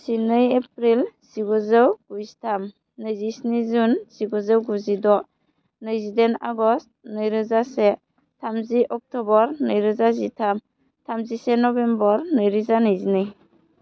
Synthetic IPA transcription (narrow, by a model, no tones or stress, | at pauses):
sinɯjep̚ɾilsiɡɔzɯwɡ̥uzitʰam | nɯjzisnizunz̥iɡɔzɯwɡuzidɔ | nɯjzidɛna̰ɡɔst̚nɯjɾɯzasɛ | tʰamziʔɔk̚tɔbɔɾnɯjɾɯzazitʰam | tʰamzisenɔbɛmbɔɾnɯjɾizanɯjzinɯj